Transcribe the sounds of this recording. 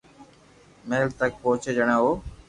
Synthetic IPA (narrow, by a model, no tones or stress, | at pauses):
meːlt̪ək̚poːt͡ʃed͡ʒəɽ̃ãːɦoː